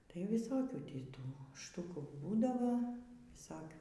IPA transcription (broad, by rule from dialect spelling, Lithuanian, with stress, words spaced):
tɐɪ ʋʲɪˈsoːkʲuː ˈtʲiː ˈtuː ˈʃtʊkuː ˈbuːdɐʋoː ʋʲɪˈsoːkʲuː